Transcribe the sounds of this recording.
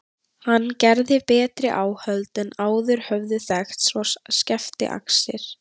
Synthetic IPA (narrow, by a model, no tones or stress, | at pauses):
hanːcɛɾðɪpɛːt̪ɾɪʔaːwhœlt̪ɛnaːwðʏɾ̥hœvðɪθɛxt̪sɔscɛft̪ɪ̰ʔa̰ksɪɾ̥